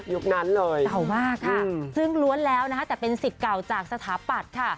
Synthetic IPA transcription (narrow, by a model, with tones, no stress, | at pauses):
ju˦˥k̚na˦˥nlɤː˧ja˨˩wmaː˥˩kʰːa˥˩˧sɯ˥˩ŋlu˦˥ənlɛː˦˥wna˦kʰa˦˥t̪ɛː˨˩pe˧nsi˨˩t̪̚ka˨˩wt͡ɕaː˨˩k̚sa˧t̪ʰaː˩˦pa˨˩t̪̚kʰa˥˩